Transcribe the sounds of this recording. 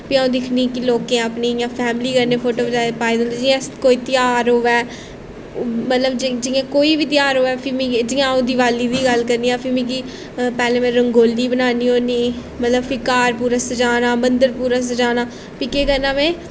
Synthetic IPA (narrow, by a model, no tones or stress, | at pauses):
pɪãõːd̪ɪkʰniːkɪloːkẽːəpniːjãːpʰɛːmliːkəɾneːpʰoːʈoːbəd͡ʒaːpaːiːd̪ẽnd̪eːd͡ʒɪjãːskoːiːt̪ɪjaːɾɦoːʋɛː | mət̪ləbd͡ʒd͡ʒɪjãːkoːiːʋiːt̪ɪjaːɾɦoːɛːpʰɪmĩd͡ʒɪjãːõːd̪iːʋaːliːd̪iːɡəlkəɾniːãːpʰɪmẽkiː | pɛːlẽːmɛ̃ːɾəŋɡoːlːiːbənaːniːɦoːniː | mət̪ləbpʰɪkaːɾpuːɾaːsəd͡ʒaːnaːmənd̪əɾpuːɾaːs̬əd͡ʒaːnaː | pikeːkəɾnaːmɛ̃ː